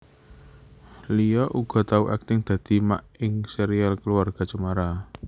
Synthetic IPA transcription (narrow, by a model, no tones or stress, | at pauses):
lijɔʔuɡ̥ɔ̤t̪auʔa̰k̚t̪ɪŋd̪̥a̤d̪̥i̤maʔɪŋseɾialkəluarɡ̥a̤t͡ʃumaɾa